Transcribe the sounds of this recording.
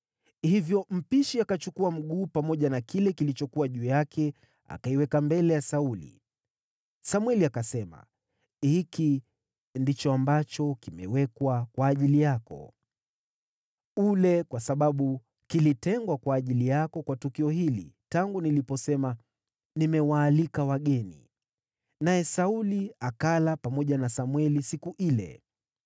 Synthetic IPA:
hivjɔm̩piʃiakat͡ʃukuam̩ɠuːpamɔʄanakilɛkilit͡ʃɔkuwaʄuːjakʰɛ | a̰kaiwɛkambɛlɛjasaulḭ | samwɛliakasɛma̰ | hiki | ndit͡ʃɔambat͡ʃɔkimɛ̰wɛkwakwaːʄilijakɔ̰ | ulɛkwasaɓaɓu | kilitɛŋɡwakwaːʄilijakɔkwatukiɔɦilḭtaŋɡunilipɔsɛma | nimɛwaːlikawaɠɛnḭ | najɛsauliakalapamɔʄanasamwɛlisikuʔilɛ̰

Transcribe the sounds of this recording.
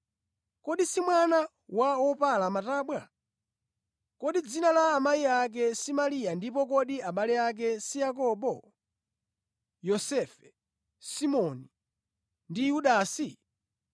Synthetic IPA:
kɔɗisimwana | waɔpalamataːɓwa | kɔɗid͡zinalaːmaiak̬ɛsimalijandipɔkɔɗiaɓalɛak̬ɛsijak̬ɔɓɔ | jɔsɛfɛ̥ | simɔni | ndijuɗaːsi

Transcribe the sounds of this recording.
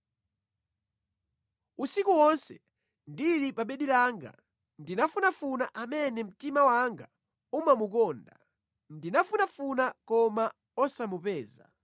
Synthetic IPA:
usikuwɔnsɛ | ndiɾipaɓɛɗilaŋɡa̰ | ndinafunafunaʔamɛnɛm̩timawaŋɡa | umamukɔːnda | ndinafunafunakɔma | ɔsamupɛːza̰

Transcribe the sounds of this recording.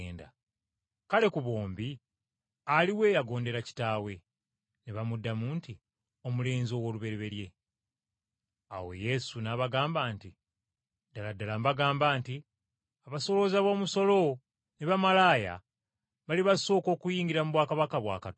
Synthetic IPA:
nda̰ | kale̞kuβo̞ːmbi | aliwe̞ːjaɡo̞ːnde̞ɾaci̥taːwe̞ | neβamudːamuːnti | o̞mule̞ːnzio̞ːwo̞ːluβe̞ɾeβe̞ɾje̞ | a̰wo̞̰je̞sunaβaɡaːmbaːnti | daladːalambaɡaːmbaːnti | aβaso̞lo̞zaβo̞ːmuso̞lo̞ | neβamalaːja̰ | βaliβaso̞ːko̞ːkujiːŋɡiɾamuβwaːkaβakaβwa̰ːkat

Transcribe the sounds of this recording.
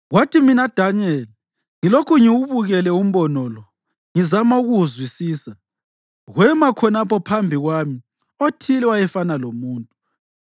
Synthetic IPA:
ɣwatʰiminad̥ʱaɲɛl | ŋilokʰuŋiwuβuɣɛlɛum̩βɔnɔlɔ | ŋizamauɣuzwisiːsa | ɣwɛmakʰɔnapʰɔpʰambʱiɣwami | otʰilɛwajɛfanalomuːntʼu

